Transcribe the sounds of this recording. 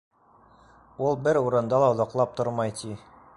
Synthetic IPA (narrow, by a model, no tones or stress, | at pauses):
ulˠbɘɾuɾɤ̆nd̪ɑlˠɑŏðɑqlˠɑp̚t̪oɾmɑjt̪ʰi